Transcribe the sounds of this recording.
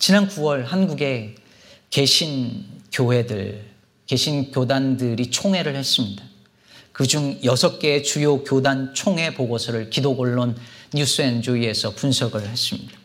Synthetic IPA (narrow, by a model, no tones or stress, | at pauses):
t͡ɕinankuwʌɭɦanɡuɡe̞ | ke̞ɕʰinkjowe̞dɯɭ | ke̞ɕʰinkjodandɯɾit͡ɕʰoŋɦe̞ɾɯɭhe̞s͈ɯmɲida | kɯd͡ʑuŋjʌsʰʌk͈̚e̞ːt͡ɕujokjodant͡ɕʰoŋɦe̞poɡosʰʌɾɯɭkidoɡoɭːonːus͈ʰɯend͡ʑuie̞sʰʌpunsʰʌɡɯɭhe̞s͈ɯmɲid̥a